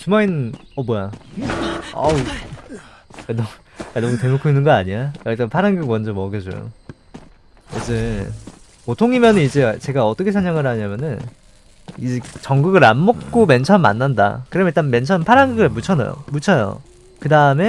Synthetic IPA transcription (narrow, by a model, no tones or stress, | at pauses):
t͡ɕumainʌbwʌja | ʌ̰ | kanʌ | kanʌmutemokʰoinːɯnɡʌaɲiaʌit͈anpʰaɾaŋɡɯk̚mwʌnd͡ʑʌmʌɡjʌd͡ʑo̰jo̰ | jed͡ʑɯ | kotʰoŋimjʌnɯnid͡ʑe̞t͡ɕe̞ɡaʌt͈ʌkʰesʰaŋɲjaŋɯɾɦaɲamjʌnɯn | id͡ʑet͡ɕʌŋɡɯɡɯɾa̰mːok̚k͈oment͡ɕʰʌnma̰nːanda̰kɯɾʌmjʌiɭt͈anme̞nt͡ɕʰʌnpʰaɾaŋɡɯɡɯɭmut͡ɕʰʌna̰jo̰mut͡ɕʰʌjo̰ | kɯdaɯme̞